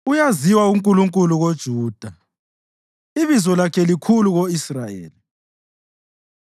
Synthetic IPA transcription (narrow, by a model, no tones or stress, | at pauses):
ujaziwauŋkʼuluŋkʼuluɣod̥ʒ̥ʱuːd̥ʱa | iβizɔlakʰɛlikʰuluɣoisrajḛːli